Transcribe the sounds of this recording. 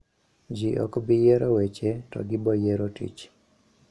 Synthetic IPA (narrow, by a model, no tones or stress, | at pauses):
d͡ʒiʔɔ̰kbɪjeɾɔwet͡ʃetɔ̰ɡɪbɔjeɾotḭt͡ʃ